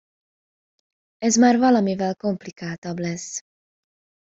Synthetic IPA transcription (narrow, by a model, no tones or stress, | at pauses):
ɛzmaːrvɒlɒmivɛlko̞mplikaːt̪ɒblɛs